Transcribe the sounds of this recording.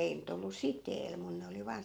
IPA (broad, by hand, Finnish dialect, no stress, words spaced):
ei nyt olːu siteːl mun ne oli ʋɑːn